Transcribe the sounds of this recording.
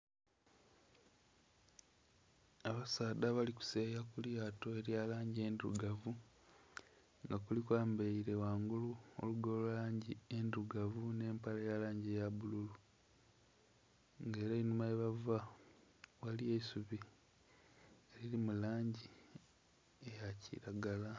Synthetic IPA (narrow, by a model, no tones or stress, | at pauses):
aβasaːdaβaliku̥seːjakuljaːto̞e̞ɾjalaːɲɟie̞ːndṵɡavu | ŋɡakulikwaːmbeiɾe̞waːŋɡuluo̰luɡolulaːɲɟienduɡavune̞ːmpalejalaːɲɟejaβululu | ŋɡe̞ːɾainumaeβava | waliesuβi | eɾilimulaːɲɟi | ejacḭɾaɡala